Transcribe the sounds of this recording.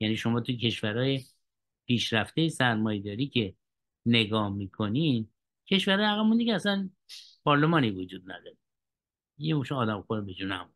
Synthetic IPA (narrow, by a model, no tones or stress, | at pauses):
jæniːʃo̞mɒːt̪ʰucʰe̞ʃvæɾɒːje | pʰiːʃɾæft̪e̞jesæɾmɒːjed̪ɒːɾiːcʰe̞ | ne̞ɡɒːhmiːkʰo̞nin | cʰe̞ʃvæɾɒːjeæɣæmund̪ikʲʰeæsæn | pʰɒːɾle̞mɒːnivod͡ʒuːd̪̚næ̰d̪ɒɾe | jemoʃeɒːd̪æmxoɾebed͡ʒunæ̰mu